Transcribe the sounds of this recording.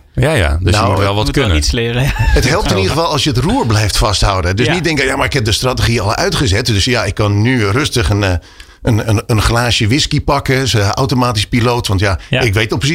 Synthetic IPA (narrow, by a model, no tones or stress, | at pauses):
jaja̰døsnjaəwmutʋɛlˠʋɔtkønənislɪrəətɦɛlˠp̚tɪnidəɣəvɑlˠɑlˠsjəətruəɹblɛjftfasthawdədøsnit̚dɪŋkəjamaɹɪkhɛp̚dəstratəɣiɔlˠœɥtχəzɛtdøsjaɪkːɔnːyrøstəχən | ənəənχlaːsjəʋɪskipɑkəsa̰wtomaːtispiloːtʋɑntjaɪkʋetɔpəsi